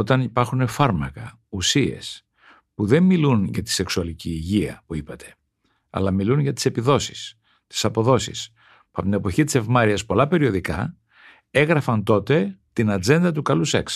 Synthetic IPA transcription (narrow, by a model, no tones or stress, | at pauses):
o̞t̪ɐnipɐɾxune̞fɐɾmɐkɐ | usie̞̰s | puðe̞mmilunʝɐt̪i̥se̞ksuɐliciːʝiɐ̰puipɐt̪ʰe̞̥ | ɐ̰lɐmilunʝɐt̪i̥se̞piðo̞si̥s | t̪i̥sɐpo̞ðo̞sḭs | puɐpot̪inepo̞çit̪i̥se̞vmɐɾiɐspo̞lɐpe̞ɾio̞ðikɐ | e̞ɣɾɐfɐnt̪o̞t̪e̞t̪inɐd͡ze̞nd̪ɐt̪ukɐluse̞ks